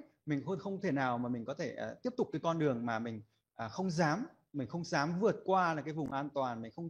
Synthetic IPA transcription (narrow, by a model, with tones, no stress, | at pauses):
mï˨˩ŋ̟˧xə˧wŋ͡mt̪ʰe˧˩naː˨˩wmaː˨˩mï˨˩ŋ̟kɔ˨˦t̪ʰeː˧˩˨t̪i˦˥əp̚t̪ʊ˨˩k͡p̚kɨː˨˦jkɔ˧nɗɨ˨˩əŋmaː˨˩mï˨˩ŋ̟ | ʔəː˨˩xə˧wŋ͡mzaː˨˦m | mï˨˩ŋ̟xə˧wŋ͡mzaː˨˦mvɨ˨˩ət̚kwaː˧laː˨˩kaː˨˦jvʊ˨˩ŋ͡mʔaː˧nt̪waː˨˩nmï˨˩ŋ̟xə˧wŋ͡m